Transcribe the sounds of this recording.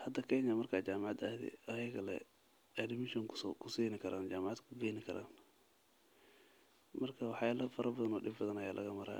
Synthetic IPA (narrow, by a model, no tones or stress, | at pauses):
hɐd̪ɐkʰɛːɲɐmɐrkʰaːt͡ʃaːmɑʕɑd̪ɐhd̪ɛ̰ɐjɐɣɐlɛ̰ | ɛdɪmɪʃɔŋkʰʊsiːnɪkʰɐɾʔaːnd͡ʒaːmɑʕɑd̪kʰʊɡɛːnɪkʰɐɾʔa̰ːn | mɐrkʰɐwɑħjaːlɐfɐɾɐbɐðɐnɔːɖɪbbɐðɐnɐjaːlʔɐ̰ɣɐmɐɾa̰ː